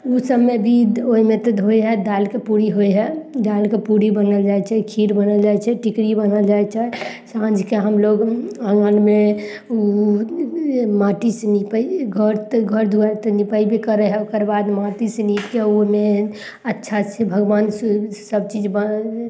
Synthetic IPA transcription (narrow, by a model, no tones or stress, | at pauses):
usəmːebʱioimet̪ɔd̪ɦojɦɛd̪alkepuɾiɦojɦɛd̪alkepuɾibənəld͡ʒajt͡ʃʰɛkʰiɾbənəld͡ʒajt͡ʃʰɛʈikɽibənəld͡ʒajt͡ʃʰɛ | sãnd͡ʒʱkeɦəmloɡə̃ŋɡənme | u | maʈisnipəiɡʱəɾt̪ɡʱəɾd̪ʱuəɾt̪ɔnipəibʱikəɾəɦɛokəɾbad̪maʈisenikkeome | ətːʃʰasebʱəɡbansəb̚t͡ʃid͡ʒbə